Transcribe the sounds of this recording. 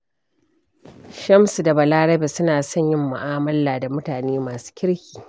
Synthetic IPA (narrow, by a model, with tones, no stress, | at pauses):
ʃɐ˦msu˨da˨bɐ˨laː˦ɽɐ˦be˨sʊ˦naː˨sɔ˦˨ɲjɪ˦mːʊ̰˨ʔaː˦mɐ˦lːaː˨da˨mʊ˦taː˨neː˦maː˨su̥ː˦kʲɪ˦ɽkʲiː˨